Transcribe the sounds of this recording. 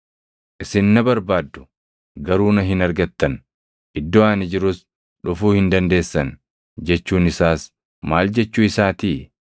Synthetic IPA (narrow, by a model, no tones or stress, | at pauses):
ʔɪsɪnːɐbɐɾbaːd̪ːʊ̥ | ɡɐɾuːnɐɦɪnɐɾɡɐt̪ːɐn | ʔɪd̪ːɔaːnɪd͡ʒɪɾʊs | ᶑʊfuːhɪnd̪ɐnd̪e̞ːsːɐn | d͡ʒɛt͡ʃːuːnɪsaːs | maːld͡ʒɛt͡ʃːʊɪsaːt̪iː